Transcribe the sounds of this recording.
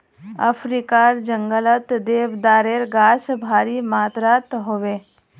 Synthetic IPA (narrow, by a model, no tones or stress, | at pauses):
ɐ̰fʰɾikaɾd͡ʒəŋɡələt̪d̪eːʋd̪aːɾeɾɡaːsbʱaːɾimaːt̪ɾaːt̪ɦoʋe